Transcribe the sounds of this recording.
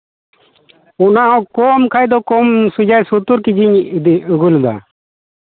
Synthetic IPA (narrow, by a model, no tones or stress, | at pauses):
unaɔ̃kɔmkʰajd̪ɔkɔmsud͡ʒajsut̪uɾkid͡ʒiɲd̪iuɡuld̪a̰